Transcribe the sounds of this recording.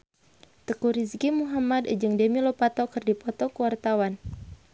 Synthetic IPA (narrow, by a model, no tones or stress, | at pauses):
t̪əkuɾiskimuɦamadəd͡ʒɨŋdemilopat̪ɔkɨrdipɔt̪ɔkuwart̪awan